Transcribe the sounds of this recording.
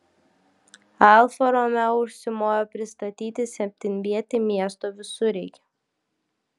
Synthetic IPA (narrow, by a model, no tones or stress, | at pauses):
alˠfɔɾɔmʲɛʊʃsʲɪmɔjɔpʲɾʲɪst̪ɐt̪ʲiːt̪ʲɪsʲɛmʲt̪ʲɪnʲvʲiɛt̪ʲɪmʲiɛst̪ɔvʲɪsʊɾʲɛːkʲɛ̥